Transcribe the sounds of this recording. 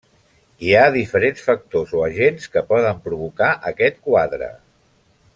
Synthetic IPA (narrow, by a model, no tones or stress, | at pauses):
iaðifəɾensfək̚t̪ozoəʒenskəpɔðəmpɾuβ̞ukaʔəkɛt̪̚kwaðɾə̰